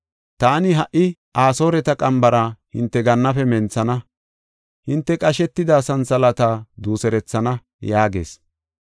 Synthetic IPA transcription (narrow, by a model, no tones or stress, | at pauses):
t̪aːnɪɦɐʔɪʔaːso̞ːɾɛt̪ɐkʼɐmbɐɾɐhɪnt̪ːɛɡɐnːɐfɛmɛnt͡sɐnɐ | hɪnt̪ːɛkʼɐʃɛt̪ːɪd̪aːsɐnsɐlɐt̪ad̪uːsɛɾɛt͡sːɐnɐ | jaːɡe̞̰ːs